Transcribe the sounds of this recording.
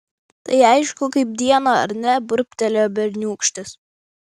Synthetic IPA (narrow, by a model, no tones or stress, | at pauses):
t̪ɐɪɐɪʃkʊkɐɪp̚d̪ʲiɛnoːɐ̰ɾʲnʲɛbʊɾʲpʲt̪ʲɛlʲoːbʲɛɾʲnʲuːkʃʲt̪ʲɪs